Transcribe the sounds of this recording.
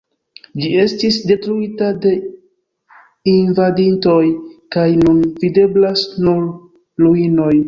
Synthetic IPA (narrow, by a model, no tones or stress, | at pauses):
d͡ʒie̞stisde̞tɾuitade̞ | invadinto̞jkajnunvide̞blasnuɾ | luino̞j